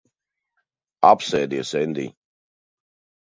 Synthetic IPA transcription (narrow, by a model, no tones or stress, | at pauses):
apsɛːd̪iɛsɛnd̪ḭː